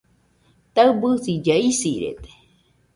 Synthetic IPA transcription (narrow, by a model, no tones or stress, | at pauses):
t̪aɨbɨsid͡ʒaisiɾḛt̪e̥